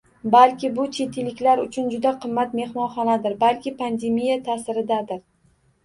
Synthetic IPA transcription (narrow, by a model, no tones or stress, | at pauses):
balkʲɪbʊt͡ʃʰet̪ʰɪlɪkʲlaɾʊt͡ʃʰʊnd͡ʒʊd̪aqʰɨmːat̪me̞hmɒnχɒnad̪ɪɾbalkʲɪpʰand̪e̞mijat̪ʰasɪɾɪd̪ad̪ɪɾ